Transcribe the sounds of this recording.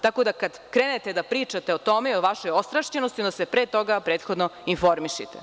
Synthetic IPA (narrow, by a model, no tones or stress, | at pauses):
t̪ako̞d̪akad̪kɾeːnet̪ed̪apɾiːt͡ʂat̪e̞o̞t̪o̞meioʋaʃojo̞st̪ɾaʃt͡ɕenost̪iod̪asepɾet̪o̞ɡapɾeːt̪xod̪noinfo̞ɾmiʃḭt̪e